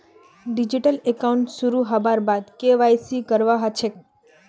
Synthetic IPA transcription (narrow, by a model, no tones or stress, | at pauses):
ɖid͡ʒiʈəlekauɳʈsuɾuɦabaɾbad̪keʋajsikəɾʋaɦət͡ʃʰe